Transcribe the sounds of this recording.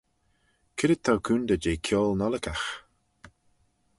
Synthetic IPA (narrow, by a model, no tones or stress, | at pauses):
kʰɪɾət̪ʰːawkʰuːnd̪əd͡ʒeːkʰjɔːlnɔləkax